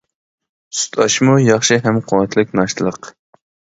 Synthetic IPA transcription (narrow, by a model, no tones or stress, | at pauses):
su̥t̪ʰɑʃmujɑχʃɪɦɛmqʰʊwɛt̪ʰlˠɪkʲnɑʃt̪ʰɨlˠəq